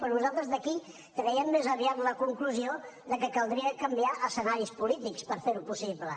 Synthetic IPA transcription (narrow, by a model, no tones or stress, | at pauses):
pɾɔnuzalˠt̪ɾəzðəki | k̪ɾɛiəmːezəβiat̪ləkuŋkluzioðəkəkəlˠd̪ɾiəkəmbiaʔəsənaɾispulit̪ikspəɾfeɾupusiβlə